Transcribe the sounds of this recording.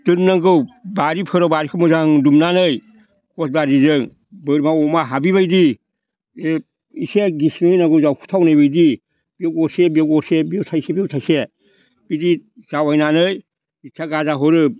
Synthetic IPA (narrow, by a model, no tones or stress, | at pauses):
dɯnnaɡɯwbaɾipʰɯɾawbaɾikʰɯmɯzaŋdumnanɯj | kɔsbaɾizɯŋ | bɯɾmaɔmaɦabiβajdi | e | iseɡisnɯjnaŋɡɯwzawkʰu̥tʰawnɯjbɯjdi | b̥iewɔsebiewɔsebiewsʰajsebiewtʰajse | b̥idiz̥awajnanɯj | it͡ʃʰaɡazaɦɔɾɯ